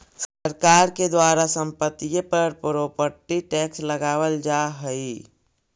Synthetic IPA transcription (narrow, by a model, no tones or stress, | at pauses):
səɾkaːɾked̪waːɾasə̃mpət̪ijəpəɾpɾoːpəʈ̪ːiʈɛːksləɡaːwəld͡ʒaɦəi